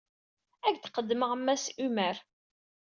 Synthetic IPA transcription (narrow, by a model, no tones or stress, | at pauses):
æɡθqəd̪ːməʁəmːæsimæɾ